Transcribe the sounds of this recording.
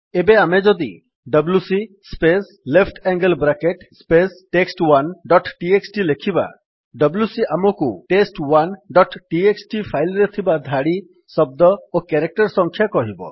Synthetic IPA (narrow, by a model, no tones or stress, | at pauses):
ebeamed͡ʒɔd̪i | ɖɔblusi | spes | lepʰʈɛŋɡəlbɾakeʈspesʈeksʈwanɖɔʈʈieksʈilekʰiba̰ | ɖɔblusiʔamɔkuʈesʈwanɖɔʈʈieksʈipʰajlɾet̪ʰibad̪ʱaɽi | sɔb̚d̪ɔokeɾek̚ʈɔɾsɔŋkʰjakɔɦibɔ̰